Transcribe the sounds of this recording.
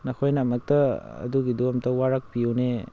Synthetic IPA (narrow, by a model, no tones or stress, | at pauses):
nɐkʰojnamɐk̚tɐɐ̰duɡidomtɐwaɾɐk̚piuwne